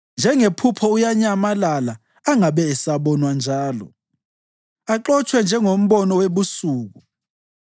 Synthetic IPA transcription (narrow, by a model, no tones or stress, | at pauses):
nd͡ʒʱɛŋepʰupʰɔujaɲamalalaː | ŋaɓɛːsaɓɔnwand͡ʒʱaːlɔ̰ | aǃɔt͡ʃʼʰwɛnd͡ʒʱɛŋom̩ɓɔnɔweɓusuːɣ̬u